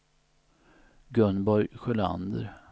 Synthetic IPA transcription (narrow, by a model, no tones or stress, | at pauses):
ɡɵnbɔɾjɧɛla̰nd̪ə̰ɾ